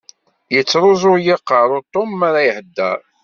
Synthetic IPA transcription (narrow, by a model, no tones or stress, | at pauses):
jət͡sːɾˤozˤʊɾjɪqːəɾˤʊt̪ˤːomːaɾajhəd̪ːæ̰ɾ